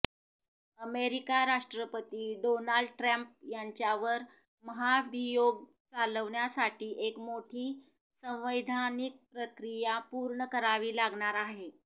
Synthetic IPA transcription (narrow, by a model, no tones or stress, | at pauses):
əmeɾikaɾaʂʈɾəpət̪iːɖonaɭɖʈɾamp̚jaɲt͡ɕjaʋəɾ | məɦabʱijoɡ̚ | t͡saləʋɳjasaʈʰiːʔekmoʈʰiː | sə̃w̃ʋəjd̪ʱanik̚pɾəkɾijapuɾɳəkəɾaʋiːlaɡɳaɾaɦe